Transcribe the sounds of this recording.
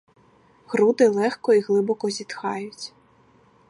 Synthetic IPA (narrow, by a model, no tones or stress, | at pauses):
ɣɾud̪ɪlˠɛxkɔiɣlˠɪbɔkɔzʲit̪xɑjʊt͡sʲ